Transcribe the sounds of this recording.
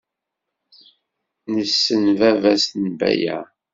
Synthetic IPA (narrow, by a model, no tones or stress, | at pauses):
nəsːənvævæsnbæ̰jæ̰